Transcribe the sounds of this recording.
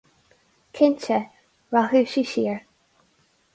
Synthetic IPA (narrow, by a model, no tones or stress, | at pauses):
kʰɪnt͡ʃə | ɹahʉʃiʃiəɹ